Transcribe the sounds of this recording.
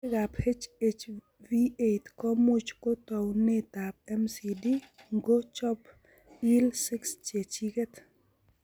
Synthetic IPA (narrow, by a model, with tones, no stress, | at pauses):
ɡaphe˦t͡ʃet͡ʃ | vietkɔ˦mʊ˦t͡ʃko˦t̪ɔ˨wnɪ˦t̪ap̚ɛ˦msi˨di˦ŋɡo˦t͡ʃɔ˦p | i˦lsi˦kst͡ʃe˨t͡ʃike˦t̪